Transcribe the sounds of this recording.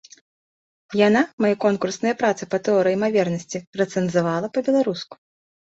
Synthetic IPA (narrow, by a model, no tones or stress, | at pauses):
janamajɛkɔnkursnɐjɐpɾat̪sɨpɐt̪ɛɔɾɨjimavʲɛrnɐsʲt͡sʲirɐt̪sɛnzavalˠɐpɐbʲɛlˠaɾusku̥